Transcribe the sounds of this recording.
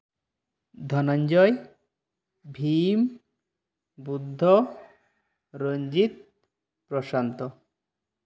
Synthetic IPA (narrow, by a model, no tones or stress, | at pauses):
d̪ʱɔnand͡ʑɔj | bʱim | bud̪ʱːɔ | ɾoɲd͡ʑit̪̚ | pɾɔʃant̪ɔ